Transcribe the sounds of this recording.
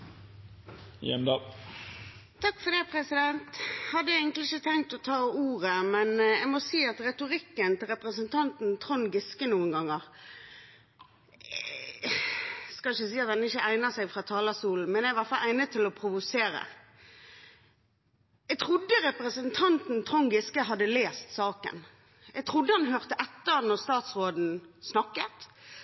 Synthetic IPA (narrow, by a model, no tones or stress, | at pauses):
jɛ̰nd̪ɑ | t̪ʰɑkːfɔd̪ɛpʰʁɛsɪd̪ɛnt̪hɑd̪ːəɛɪɡəŋklɪɪçət̪ʰɛŋt̪ɔt̪ʰɑːuːʁəmɛnɛɡmɔsiːɑt̪ɾɛt̪ʊʁɪkːənt̪ɪlɾɛpʁəsənt̪ʰɑnt̪n̩t̪ʰʁɔnɡɪskənuːənɡɑŋːəʁ | skɑlɪçːəsiːɑt̪̚hɛnəɪçːəʔæɪnəsæɪfʁɑːt̪ʰɑːlɑsuːln̩mɛnɛɡʋɑfɑlʔæɪnət̪ʰɪlɔpʰɾʊʋʊseːɾə̰ | ɛɡt̪ʰʁʊd̪ːəʁɛpɾəsənt̪ʰɑnt̪n̩t̪ʰʁɔŋɡɪskəɦɑd̪ːəleːst̪sɑːkə̰n | ɛɡ̚t̪ʰʁʊd̪ːəhɑnɦøːʁt̪əʔɛt̪ːəʁnɔʁst̪ɑːt̪sʁoːd̪n̩snɑkːət̪